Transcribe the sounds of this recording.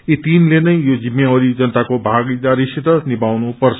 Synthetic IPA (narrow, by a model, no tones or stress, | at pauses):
it̪inlenʌjjod͡zimːeoɾid͡zʌnət̪akobʱaɡid̪aɾisit̪ʌnibawnupʌrt͡sʰ